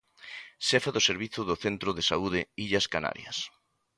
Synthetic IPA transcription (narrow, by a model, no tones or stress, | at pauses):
ʃɛfaðoseɾβiθʊðʊθent̪ɾoðesauðɪiʎɐskana̰ɾjɐ̰s